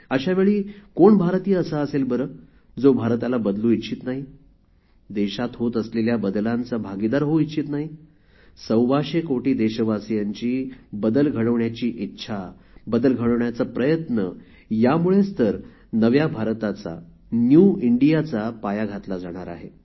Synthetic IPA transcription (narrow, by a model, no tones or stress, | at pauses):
əɕaʋeɭiːkoɳbʱaɾt̪iːəsaəselbəɾəː | d͡zobʱaɾt̪alabəd̪lũit̪ːt͡ɕʰiːt̪naɦi | d̪eɕat̪ɦot̪əsleljabəd̪lant͡sabʱaɡid̪aɾɦoit̪ːɕʰiːt̪naɦi | səwʋaɕekoʈiːd̪eɕəʋasijaɲt͡ɕiːbəd̪əlɡʱəɽəʋɳjat͡ɕiːʔitːɕʰabəd̪əlɡʱəɽəʋɳjat͡sapɾəjət̪nə | jamuɭest̪əɾ | nəʋjabʱaɾt̪at͡sa̰ | njuiɳɖijat͡sapajaɡʱat̪lad͡zaɽ̃aɾa̰ɦe